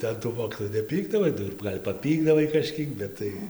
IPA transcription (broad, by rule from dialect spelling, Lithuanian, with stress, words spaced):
tɐɪ ɐn tuː ˈmoːkʲiːtoːjuː nʲɛˈpʲiːɡdɐʋɐɪ ˈnʊ ɪr ˈɡɐlʲ pɐˈpʲiːɡdɐʋɐɪ kɐˈʃʲkʲiɛk ˈbʲɛt tɐɪ